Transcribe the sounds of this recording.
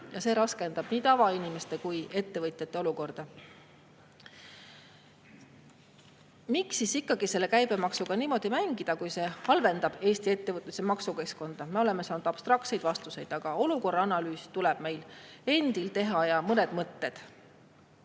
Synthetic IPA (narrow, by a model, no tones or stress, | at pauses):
jɑse̞ːɾɑske̞nd̪̥ɑb̥niːt̪ɑvɑinime̞st̪e̞kuje̞t̪ːe̞vɤt̪ˑjet̪ːˑe̞o̞luko̞rd̪̥ɑ | miksisikːˑɑɡise̞lːe̞kæjb̥e̞mɑksuɡ̥ɑniːmo̞d̪̥imæŋɡ̥id̪̥ɑkujse̞ːhɑlve̞nd̪̥ɑb̥e̞ːst̪ie̞t̪ːe̞vɤt̪ːˑesemɑksuke̞sko̞nd̪̥ɑme̞o̞le̞mesɑːnud̪̥ɑb̥st̪rɑk̚t̪se̞jd̪̥vɑst̪use̞jd̪̥ɑɡ̥ɑo̞luko̞rːɑɑnɑlyːsi̥t̪uleb̥me̞jle̞nd̪̥ilt̪e̞ɦɑjɑmɤned̪̥mɤt̪ːe̞d̪̥